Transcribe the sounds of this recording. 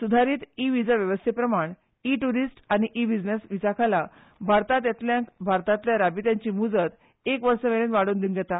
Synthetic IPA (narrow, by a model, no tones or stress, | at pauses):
sud̪ʱaɾiːt̪iʋid͡zaʋjəʋəst̪ʰepɾəmaɳ | iʈuɾisʈaɽ̃iʔibid͡znesʋid͡zakʰala | bʱaɾt̪at̪jat̪ljãkbʱaɾt̪at̪ljaɾabit̪jãɲt͡ɕimud͡zət̪ | ekʋəɾsəʋeɭẽnʋaɽuːnd̪iŋɡɛt̪a